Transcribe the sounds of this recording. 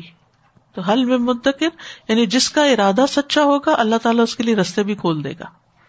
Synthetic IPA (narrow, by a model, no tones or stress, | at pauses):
t̪oɦɐlmẽmʊd̪əkɪɾjaːnid͡ʒɪskaɪɾaːd̪asɐtːʃaɦoːɡaʔɐlːaɦt̪aːlaʊskelieɾɐst̪ebʱikʰoːld̪ḛːɡa̰ː